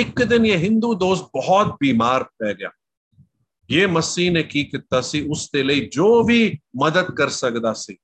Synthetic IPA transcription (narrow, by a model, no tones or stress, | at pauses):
ɪkd̪ɪnjeɦɪ̃nd̪uːd̪oːst̪̚bɐɦɔt̪̚biːmaːɾpɛːɡɐja̰ː | jeːmɐsiːnẽkikɪt̪ːasiʊst̪elɐid͡ʒoːbʱiːmɐd̪əd̪̚kɐɾsɐkd̪aːsiː